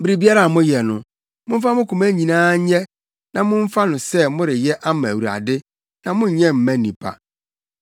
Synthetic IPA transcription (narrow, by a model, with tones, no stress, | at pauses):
bi˦ɾi˨bi˦a˦ɾa˨mʊ̃˦jɛ˨nʊ̃˨ | mʊ̃˦m̩˦fa˦mʊ̃˦kʰũ˨mæ˦ɲĩ˨nãː˦ɲɛ˦ | nã˨mʊ̃˦ɱ̩˦fa˦nʊ̃˨sɛ˦mʊ̃˦ɾɪ˨jɛ˦ʔa˦mã˨æ˨wu˨ɾa̰˨dɪ˦ | nã˨mʊ̃˦ɲ̩˨ɲɛ̃˦m̩˨mæ̃˦nĩ˨pʰa̰˨